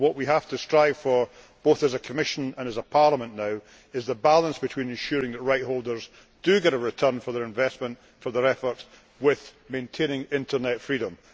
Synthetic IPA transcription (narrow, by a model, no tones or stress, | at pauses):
wʌʔwiɦaftʰəstɹ̥aɪv̥fə˞ | b̥oθəzəkʰəmɪʃə̃nə̃nəzəpʰaɹlˠəmə̃nːaʊ | ɪzðəbalˠə̃nsb̥ɪtʰw̥ĩnɪ̃nʃʉɹɪ̃ŋðəʔɹaɪʔ̚holˠdə˞z | d̥əɡɛɾəɹɪtʰɜ̃˞nfə˞ðə˞ɨ̃ɱvɛsmə̃nt | fə˞ðə˞ɛfə˞ts | wɪð̥mẽntʰẽnɪ̃ŋɪ̃ntʰə˞nɛtfɹiɾə̃m